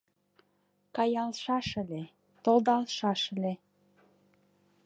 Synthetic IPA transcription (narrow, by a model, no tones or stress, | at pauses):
kɑjɑlʃɑʃəle | t̪old̪ɑlʃɑʃə̆le